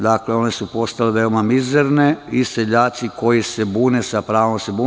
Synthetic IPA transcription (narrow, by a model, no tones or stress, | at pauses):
d̪akle̞o̞nesupo̞st̪aleʋe̞omamizeɾneiseʎaːt̪siko̞jise̞buːnesapɾaːʋomse̞buː